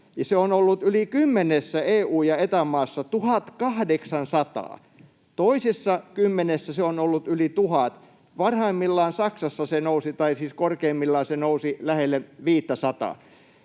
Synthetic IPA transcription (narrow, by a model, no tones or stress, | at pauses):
jɑseonolːut̪ylikymːenesːæeːuːjɑet̪æmɑːsːɑt̪uhɑt̪kɑhdeksɑnsɑt̪ɑ̰ː | t̪oisesːɑkymːenesːæseonolːut̪ylit̪uhɑt̪ | ʋɑnhɑimːilːɑːnsɑksɑsːɑsenousit̪ɑisiːskorkeːmːilːɑːnsenousilæhelːeʋiːt̪ːæsɑt̪ɑ̰ː